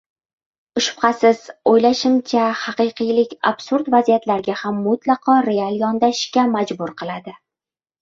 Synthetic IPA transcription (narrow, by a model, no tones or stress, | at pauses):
ʊʃʊfqɑsɪz̥ojlaʃɪmt͡ʃʰahɑqɨjqʰɨjlɪkʲa̰b̥sʊɾd̪vazijat̪laɾɡʲahamːʊt̪lɑqʰɒɾe̞alˠjɒnd̪aʃʃkʲamad͡ʒbʊɾqʰɨlˠad̪ɪ